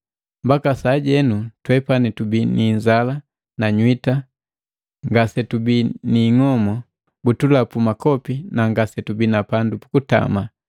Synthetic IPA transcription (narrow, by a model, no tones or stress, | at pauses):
mbakasaːɟɛnutwɛpanitubiniɲd͡ʒala | naɲwita | ŋɡasɛtubiniŋɔmɔ | ɡutulapumakɔpinaŋɡasɛtubinapandupu̥kuta̰ma